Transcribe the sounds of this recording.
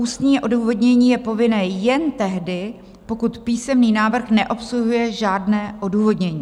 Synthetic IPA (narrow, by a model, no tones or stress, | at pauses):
uːst̪ɲiːʔo̞duːvo̞dɲɛɲiːjɛpo̞vɪnɛːjɛnt̪ɛɦdɪ | po̞kut̪piːsɛmniːnaːvr̩xnɛʔo̞psluɦujɛʒaːdnɛːʔo̞duːvo̞dɲɛɲiː